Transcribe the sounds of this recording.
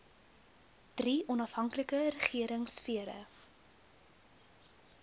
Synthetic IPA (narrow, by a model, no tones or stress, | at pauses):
d̥riʔɔnɐfɦɐŋkləkəɾəχiəɾəŋsfiəɾə̰